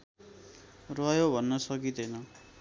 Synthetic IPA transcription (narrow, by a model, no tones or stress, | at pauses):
rʌjobʱʌnːʌsʌkid̪ʌnʌ